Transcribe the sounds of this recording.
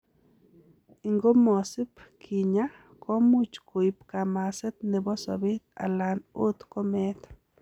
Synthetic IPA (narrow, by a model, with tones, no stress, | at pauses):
i˨˧ŋɡo˦mo˨si˦pkʰi˨ɲa˦ | ko˦mu˦t͡ʃku˨jpka˨ma˨se˦t̪ne˨bo˦so̰˨bi˦t̪̚a̰˨la˨nu˦t̪ko˦me˦t̪